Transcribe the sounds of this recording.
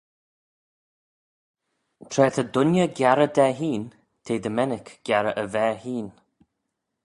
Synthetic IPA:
t̪ʰɾɛːt̪ʰəd̪ʊnjəɡjaɾəd̪ɛɦiːn | t̪ʰeːd̪əmɛnɪkɡ̥jaɾəʔəvɛːhiːn

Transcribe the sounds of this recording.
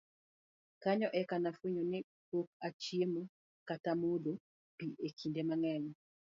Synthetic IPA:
kaɲɔʔɛkanafweɲonɪ | pok̚at͡ʃiemo | katamodo | piʔekʰindemaŋɛɲɔ

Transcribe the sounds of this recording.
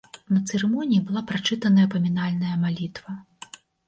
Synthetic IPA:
nɐt̪sɛɾɛmɔnʲijibɨlˠapɾat͡ʂɨt̪ɐnɐjɐpɐmʲinalʲnɐjɐmalʲit̪vɐ

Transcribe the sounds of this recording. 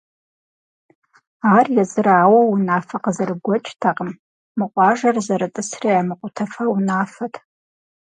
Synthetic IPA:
aːrjɛzʼɨɾaːwɐwunaːfɐqəzɐrɨɡʷɔt͡ʃʼtʰaqəm | mɨqʷʼɑːʒɐrzɐɾɐtʼɨsriamɨqʷʼʊtʰɐfɐwunaːfɐtʰ

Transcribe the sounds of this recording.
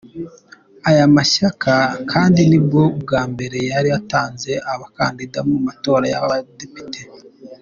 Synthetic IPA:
ajamaʃakʰakʰaːndinib̚ɡo̞b̚ɡaːmbe̞ɾe̞jaɾiataːnze̞ʔaβaka̰ndidamumato̞ːɾaja̰adepi̥te

